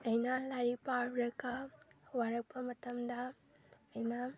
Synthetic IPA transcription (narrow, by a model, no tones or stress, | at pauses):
ɐjnɐlaɾipaɾɾɐkɐwaɾɐk̚pʰɐmɐtɐmd̪ɐ | ɐjnɐ